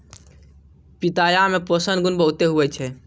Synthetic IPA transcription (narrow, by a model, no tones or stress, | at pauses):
pit̪ajameposənɡunbəɦut̪eɦuɛt͡ʃʰɛ